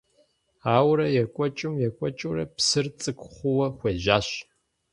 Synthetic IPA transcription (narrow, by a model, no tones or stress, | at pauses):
aːwɾɐjɛkʷʼɔt͡ʃʼɪmjɛkʷʼɔt͡ʃʼuɾɐ̰psɨrt͡sʼɨkʷʰχʷʊwɐχʷeːʑaːɕ